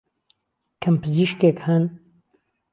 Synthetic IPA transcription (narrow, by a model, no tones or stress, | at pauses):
kʰɨmpɨziʃkekhɐn